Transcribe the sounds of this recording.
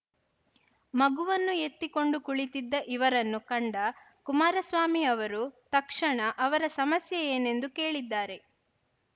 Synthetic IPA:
mɐɡuʋɐnːue̞t̪ːiko̞ɳɖukuɭit̪id̪ːɐʔiʋɐɾɐnːukɐɳɖɐ | kumaːɾɐsʋaːmiɐʋɐɾut̪ɐkʂɐɳɐʔɐʋɐɾɐsɐmɐsjɐjeːne̞nd̪uke̞ːɭid̪ːaːɾe̞

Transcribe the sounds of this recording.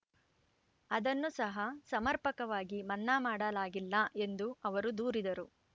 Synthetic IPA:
ɐd̪ɐnːusɐɦɐsɐmɐɾpɐkɐʋaːɡimɐnːaːmaːɽɐlaːɡilːɐʔe̞nd̪uɐʋɐɾud̪uːɾid̪ɐɾu

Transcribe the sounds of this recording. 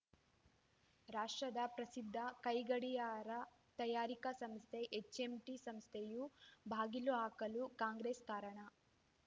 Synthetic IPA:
ɾaːʂʈɾɐd̪ɐpɾɐsid̪ʱːɐkɐjɡɐɽijaːɾɐ | t̪ɐjaːɾikɐsɐmst̪ʰeʔet͡ʃːemʈisɐmst̪ʰejubʱaːɡiluaːkɐlukaːŋɡɾeːskaːɾɐɳɐ

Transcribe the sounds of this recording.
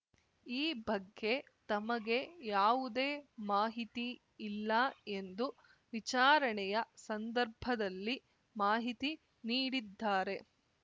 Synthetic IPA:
iːbɐɡːe̞ | t̪ɐmɐɡe̞jaːʋud̪e̞ːmaːɦit̪iː | lːɐe̞nd̪u | ʋit͡ʃaːɾɐɳɛjɐsɐnd̪ɐɾbʱɐd̪ɐlːi | maːɦit̪i | niːɽid̪ːaːɾe

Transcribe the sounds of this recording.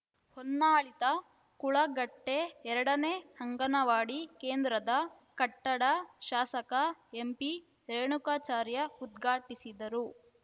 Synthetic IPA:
honːaːɭit̪ɐ | kuɭɐɡɐʈːe̞ɛɾɐɽɐneːhɐŋɡɐnɐʋaːɽikeːnd̪ɾɐd̪ɐ | kɐʈːɐɽɐʃaːsɐkɐempi | ɾeːɳukaːt͡ʃaːɾjɐud̪ɡʱaːʈisid̪ɐɾu

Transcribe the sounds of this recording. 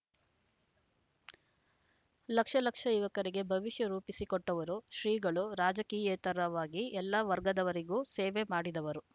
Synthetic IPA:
lɐkʂɐlɐkʂɐiʋɐkɐɾiɡe̞bʱɐʋiʃjɐɾuːpisikoʈːɐʋɐɾuʃɾiːɡɐɭuɾaːd͡ʒɐkiːjɛːt̪ɐɾɐʋaːɡiɛlːɐʋɐɾɡɐd̪ɐʋɐɾiɡuːseːʋemaːɽid̪ɐʋɐɾu

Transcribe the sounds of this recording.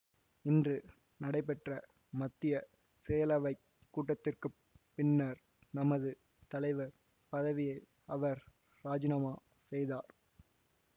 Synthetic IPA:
ɪndrɯ | nɐɽɐɪp̬ːɛʈrɐ | mɐt̪ːɪjɐ | seːjɐlɐʋɐɪ | kːuːʈːɐt̪ːɪrkɯ | pːɪnːɐɾ | nɐmɐðɯ | t̪ɐlɐɪʋɐɾ | pɐðɐʋɪjɐɪ | ɐʋɐɾ | ɾaːd͡ʒɪnɐmaː | sɛjðaːɾ

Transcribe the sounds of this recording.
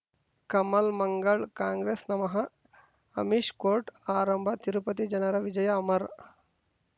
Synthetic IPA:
kɐmɐlmɐŋɡɐɭkaːŋɡɾeːsnɐmɐɦɐ | ɐ̰miʂkoːɾʈaːɾɐmbʱɐt̪iɾupɐt̪id͡ʒɐnɐɾɐʋid͡ʒɐjɐːmɐɾ

